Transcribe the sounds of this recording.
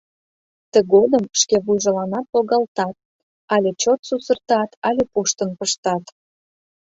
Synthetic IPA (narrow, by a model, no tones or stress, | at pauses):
t̪əɣod̪əmʃkeβujʒəlɑnɑt̪̚poɣɑlt̪ɑt̪̚ | ɑlʲet͡ɕot̪susərt̪ɑt̪ɑlʲepuʃt̪ənpəʃt̪ɑt̪